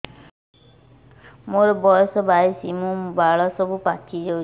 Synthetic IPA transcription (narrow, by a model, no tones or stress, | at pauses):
moɾɔbɔjɔsɔbajsimũbaɭɔsɔbupatʰid͡ʒew